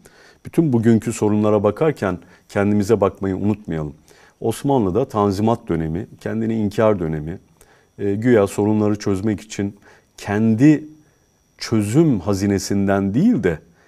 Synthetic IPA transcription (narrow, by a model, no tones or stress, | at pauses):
b̥yt̪ʰynbuɟyɲcʰyso̞ɾunlˠaɾabakʰaɾcʰæn | cʰɛnd̪imizɛbakmajɯṵnut̪̚majalˠɯm | o̞smanlˠɯd̪at̪ʰanzimat̪̚d̪ø̞ne̞micʰɛnd̪iniiɲcʰaɾd̪ø̞ne̞mi | ɟyjælʲso̞ɾunlˠaɾɯt͡ʃʰø̞zmɛci̥t͡ʃʰin | cʰɛnd̪i | t͡ʃʰø̞zymhaziːne̞sind̪ænd̪ijilʲd̪ɛ